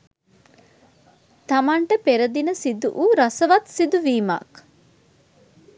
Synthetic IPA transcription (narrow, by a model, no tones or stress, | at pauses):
t̪ɐmaɳʈəpeɾɐd̪inəsid̪uʔuɾɐsɐʋɐt̪sid̪uʋiːma̰k